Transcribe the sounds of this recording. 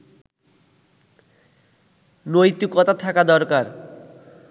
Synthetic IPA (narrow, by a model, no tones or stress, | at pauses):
nojt̪ukɔt̪at̪ʰakad̪ɔɾkaɾ